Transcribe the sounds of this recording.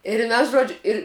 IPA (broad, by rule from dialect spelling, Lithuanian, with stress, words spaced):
ɪr ˈmʲɛs ˈʒoːd͡ʒʲʊ ɪr